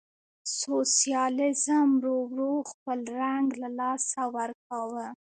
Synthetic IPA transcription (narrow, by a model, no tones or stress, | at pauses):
sosijɑlɪzəmɾowɾoxpəlɾaŋɡlalɑsawəɾk̚awə